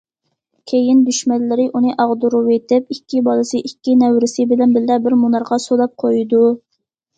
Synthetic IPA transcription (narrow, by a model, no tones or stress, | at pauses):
kʲʰejɪnd̪yʃmɛllːɪɾɪʔunɨʔɑʁd̪uɾuwet̪ɪpikʲʰːibɑlˠɨsɨʔikʲːinɛwɾɪsɪbɪlɛnbɪlːɛbɪɾmunɑɾʁɑsolˠɑp̚qʰojd̪u